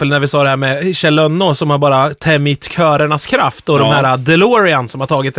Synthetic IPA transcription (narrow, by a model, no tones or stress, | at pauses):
əlnæɾvɪsɑːd̪ɛhæːɾmɛɕɛlœnːʊsɔmhaɾbɑːɾat̪ʰɛmːɪt̪ːkʰœːɾəɳaskʰɾaft̪ɔd̪ɔmhæːɾad̪ɛluɾɪansɔmhaʈʰɑːɡɪt̪̚d̪